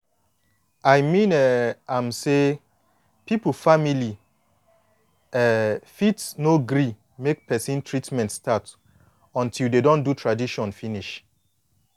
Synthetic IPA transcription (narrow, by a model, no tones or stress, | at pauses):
ajmĩnɛãmse | pipl̩famili | ɛfitsnoɡɹi | mek̚pɛsĩntʰɹitmɛ̃ntstʰat | ɔ̃ntʰilˠdedɔ̃ndutʰɹadiʃɔ̃nfiniʃ